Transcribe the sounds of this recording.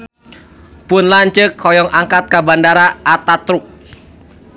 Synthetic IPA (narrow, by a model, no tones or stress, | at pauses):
pʊnlaɲt͡ʃəkʰːɔjɔŋʔaŋkat̪̚kabandaɾaʔːt̪at̪ɾʊk̚